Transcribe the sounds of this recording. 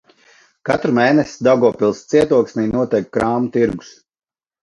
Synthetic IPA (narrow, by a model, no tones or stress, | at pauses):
kat̪ɾumeːnɛsʲd̪awɡɔɔpilˠst̪siɛt̪uɔksnijnuɔt̪ɛjkkɾaːmut̪iɾɡu̥s